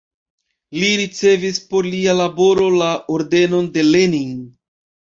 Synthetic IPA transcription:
liɾit͡se̞vispo̞ɾlialabo̞ɾo̞laʔoɾde̞no̞nde̞leniŋ

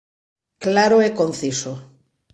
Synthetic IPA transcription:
klaɾoɛkonθiso

